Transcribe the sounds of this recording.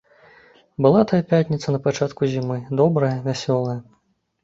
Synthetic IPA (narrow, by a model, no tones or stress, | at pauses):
bɨlˠat̪ɐjɐpʲatʲnʲit̪sɐnɐpat͡ʂat̪kuzʲimɨd̪ɔbɾɐjɐvʲasʲɔlˠɐjɐ